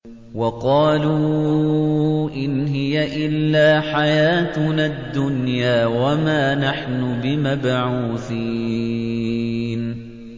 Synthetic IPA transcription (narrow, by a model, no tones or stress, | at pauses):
wɑqɑːluː | ʔɪnɦɪjaʔɪlːaːħajaːt̪nad̪ːʊnjaːwamaːnaħnʊbɪmabʕuːθiː | n